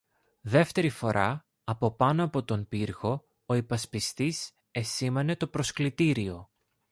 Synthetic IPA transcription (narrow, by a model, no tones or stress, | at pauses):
ðe̞ft̪e̞ɾifo̞ɾʔɐ | ɐpo̞pɐnoɐpo̞t̪o̞npiɾɣo̞ | oipɐspist̪is | e̞sime̞ne̞t̪o̞pɾo̞sklit̪iɾio̞